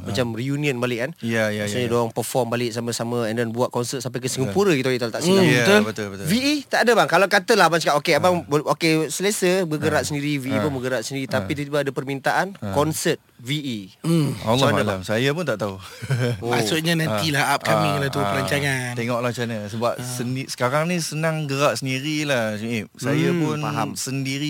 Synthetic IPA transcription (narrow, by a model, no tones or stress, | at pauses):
mat͡ʃamriuniənbalɪʔanjajasɲədoaŋpərfɔmbalɪʔsamə̃samə̃ɛndɔnbuaʔ̪̚kɔnsət̪samp̬ajkəsəŋəpuɾəɡit̪oit̪ult̪aʔsiaat̪ʊlbət̪ʊlbət̪viit̪aʔadəbaŋkalakat̪əlabansəkaʔokeabaŋbokesələsəbəɡəɾaʔ̪̚səndiɾiviipunbəɡəɾat̪səndiɾit̪apit̪ut̪ibaadəpərmint̪aʔankɔnsət̪ | viʔi | a̰lːɔalamsajapʊnt̪aʔt̪auomasuʔɲanãnt̪ilahap̚kamiŋlat̪upəɾaɲt͡ʃaŋant̪eŋɔʔlat͡ʃanasəbap̚sənisə̥kaɾaŋnĩsənaŋɡəɾaʔsəndiɾilahsiip̚sajapʊnafɦamsəndiɾi